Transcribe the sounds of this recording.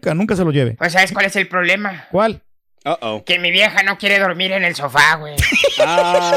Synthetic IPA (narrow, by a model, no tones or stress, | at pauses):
kanũŋkas̬e̞loʝeβḛpos̬aβes̬kwale̞se̞lpɾo̞β̞le̞makwal | ke̞miβje̞xano̞kje̞ɾe̞ðo̞ɾmiɾe̞ne̞lso̞faɣwej